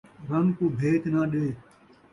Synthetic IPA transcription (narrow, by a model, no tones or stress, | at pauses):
ɾənkoːbʱeːt̪nãːɗeː